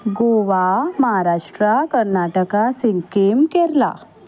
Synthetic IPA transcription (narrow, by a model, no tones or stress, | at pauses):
ɡoʋaməɦaɾaʂʈɾakəɾnaʈəkasiŋkemkeɾla̰